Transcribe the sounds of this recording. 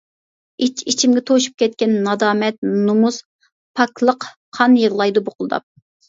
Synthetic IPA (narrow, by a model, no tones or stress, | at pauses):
it͡ʃʰit͡ʃʰimɡʲɛt̪ʰoʃu̥p̚kʲɛt̪̚kʲɛnːɑd̪ɑːmɛt̪̚numuz | pʰɑklˠəq | qʰːɑnjəʁlˠɑjd̪uboqlˠɨd̪ɑ̰p̚